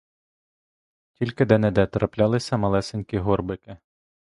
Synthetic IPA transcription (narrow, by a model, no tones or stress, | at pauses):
tʲilʲkɪd̪ɛnɛd̪ɛt̪ɾɐplʲɑlˠɪsʲɐmɐlˠɛsenʲkʲiɦɔrbɪkɪ